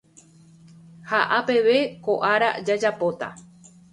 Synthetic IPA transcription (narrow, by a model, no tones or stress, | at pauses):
haʔape̞ʋe̞ko̞ʔaɾa̰d͡ʒad͡ʒapo̞t̪a̰